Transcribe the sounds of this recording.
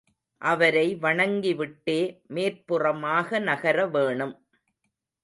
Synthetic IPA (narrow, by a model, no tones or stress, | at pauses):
ʔɐʋɐɾɐɪʋɐɳɐŋɡiʋɪʈːeːmeːɾpɯrɐmaːɣɐnɐɣɐɾɐʋeːɳɯm